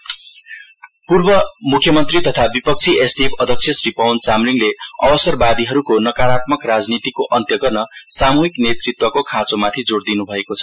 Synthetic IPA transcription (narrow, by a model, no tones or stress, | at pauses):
purbʌmukʰjʌmʌnt̪rit̪ʌt̪ʰabipʌk̚t͡sʰiʔesʈiepʰʌd̪ʱʌk̚t͡sʰjʌsripawnt͡samriŋleʌ̰bʌsʌrbad̪iɦʌɾukonʌkaɾat̪mʌkrad͡znit̪ikoʔʌnt̪jʌɡʌrnʌsamuɦiknet̪rit̪wʌkokʰãt͡somat̪ʰid͡zoɽd̪inubʱʌekot͡sʰʌ